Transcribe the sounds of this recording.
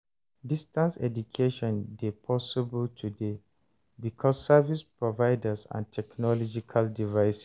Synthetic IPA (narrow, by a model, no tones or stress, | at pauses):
distãnsɛ̰dukʰeʃɔ̃ndepʰɔsibəltʰude | bikʰɔsːavispɹɔvaɪdəsã̰ntʰɛknɔlɔd͡ʒikʰaldivaɪs